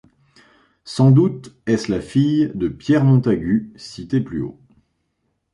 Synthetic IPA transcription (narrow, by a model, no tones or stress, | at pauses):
sɑ̃d̪ut̪ɛslafijd̪əpjɛʁmɔ̃t̪aɡʲysit̪eplyo̰